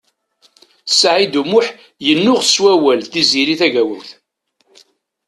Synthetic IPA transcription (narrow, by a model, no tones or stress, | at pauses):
sʕid̪umʊħ | jənːʊʁswæwælθiziɾiθæʝæwʊwθ